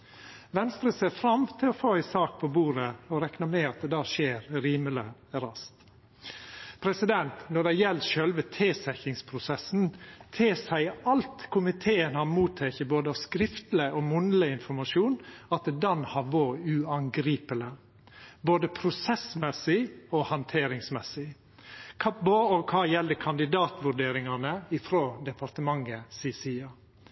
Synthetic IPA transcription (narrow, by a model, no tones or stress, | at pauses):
ʋɛnst̪ɾəseːfɾɑmt̪ʰɪlɔfoːɪsɑːk̚pʰɔbuːɾəɔɾɛknɑmɛɑt̪̚d̪ɛd̪ɑːʃeːɾɾiːmələɾɑst̪ | pʰɾɛsɪd̪ɛnt̪nɔɖæɪjɛlʃœlʋət̪ʰeːsæçɪŋspʰɾʊsɛsnt̪ʰeːsæɪɑlt̪kʰʊmɪt̪ʰeːənhɑnmuːt̪ʰːɛːkəboːd̪əɑʋskɾɪft̪ləʔoːmʊnləɪnfɔɾmɑʂuːnɑt̪d̪ɛnhɑʋoːʉɑŋɡɾiːpələ | boːd̪əpʰɾʊsɛsmɛsɪɔhɑnt̪ʰeːɾɪŋsmɛsɪ | kʰɑːboɔkʰɑːjɛlːəkʰɑnd̪ɪd̪ɑːt̪ʋʉɖeːɾɪŋɑnəɪfɾoːd̪ɛpʰɑɾt̪əmɑŋːəsiːsiːɑ